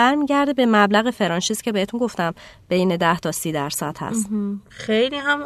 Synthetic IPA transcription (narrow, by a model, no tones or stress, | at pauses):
æɾmiːɟæɾd̪ebe̞mæblæɣefe̞ɾɒːnʃizcʰe̞beet̪ʰunɡo̞ft̪æmb̥e̞jned̪æht̪ʰɒːsiːd̪æɾsæt̪hæ̰st̪xejliːɦæm